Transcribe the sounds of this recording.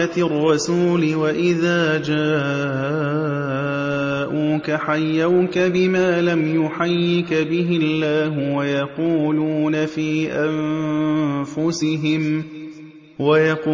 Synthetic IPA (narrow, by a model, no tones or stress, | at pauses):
at̪rˤːɑsuːlɪwaʔɪðaːd͡ʒaː | ʔuːkaħajːawkabɪmaːlamjʊħajːɪkbɪɦɪlːaːɦʊwajɑquːluːnafiːʔam | fʊsɪɦɪm | wajɑqː